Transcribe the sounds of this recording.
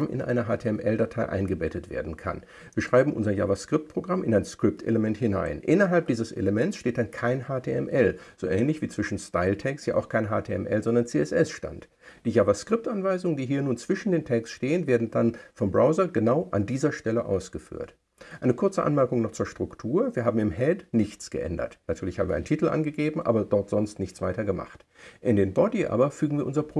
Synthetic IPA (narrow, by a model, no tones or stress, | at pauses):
mʔɪ̰nʔa̰ɪnəɦaːtʰeɛmʔɛldatʰaɪʔa̰ɪnɡəbɛtətv̥ḛːɐdn̩kʰa̰n | viːɐʃʁ̥aɪbm̩ʔʊ̰nzɐja̰vaskʁ̥ɪp̚t̚pʁ̥oɡʁamɪnaɪnskʁ̥ɪp̚tʰḛləmɛnthɪna̰ɪnʔɪnɐɦalp̚d̥iːzəsḛləmɛnsʃteːt̚d̥ankʰaɪnhaːtʰeːɛmʔɛlz̥oːʔɛːnlɪçv̥iːt͡sv̥ɪʃn̩staɪltʰɛkstja̰ːʔa̰ʊxkʰaɪnɦaːtʰeːɛ̰mʔɛ̰lzɔndɐnt͡seːɛsʔɛsʃta̰nt | d̥iːjavaskʁ̥ɪp̚tʔanvaɪzʊŋəndiːɦiːɐnuːnt͡sv̥ɪʃn̩deːntʰɛkstʃteːənveːɐdn̩danfɔmbʁaʊzɐɡənaʊʔandiːzɐʃtɛləʔa̰ʊsɡ̥əfy̰ːɐt | ʔaɪnəkʰʊɐt͡səʔa̰nmɛɐkʊŋnɔχt͡suːɐʃtʁ̥ʊktʰuːɐviːɐɦaːbm̩ɪmɦɛdnɪçt͡sɡ̥ə̰ʔɛ̰ndɐ̰tnatʰyːɐlɪçhaːm̩viɐ̰aɪntʰiːtl̩ʔa̰nɡəɡeːbm̩ʔa̰ːbɐdɔɐtz̥ɔnstnɪçt͡sv̥aɪtɐɡəma̰χt | ʔɪndeːnbɔdiʔa̰ːbɐfyːɡŋ̩viːɐʔʊnzɐpʁo